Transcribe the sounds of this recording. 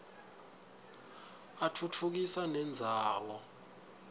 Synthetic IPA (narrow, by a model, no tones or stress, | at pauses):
atʰutʰuk̬isanɛnd͡zʱaːwɔ